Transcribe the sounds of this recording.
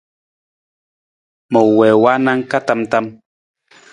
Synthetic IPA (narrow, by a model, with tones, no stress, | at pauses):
mɔ˨wwɛ˨wa˦na˦ŋ̩˦ka˦ta˦mta˦m